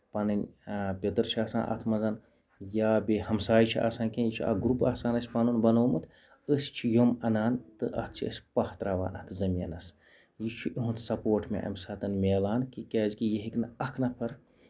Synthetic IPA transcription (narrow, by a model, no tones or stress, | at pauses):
pɐnɨnʲpʲɐt̪ɨɾt͡ʃʰiaːsa̰ːnʔɐ̰t̪ʰmɐzɐn | jaːbehɐmsaːjt͡ʃʰiʔa̰ːsaːnkẽnjit͡ʃʰiɐ̰ɡɾupaːsaːnɐsʲpɐnunbɐnoːmɨt̪ʰ | əsʲt͡ʃʰijomɐnaːnt̪ɨʔɐ̰t̪ʰt͡ʃʰiə̰sʲpɐht̪ɾaʋa̰ːnɐ̰t̪ɨzɐmʲjɐ̰nɐs | jit͡ʃʰuʔiɦunt̪ʰsɐpoːʈʰmḛʔɐ̰mʲsaːt̪ɐnmʲeːlaːnkikɛːzkijeɦiknɐɐkʰnɐpʰɐɾ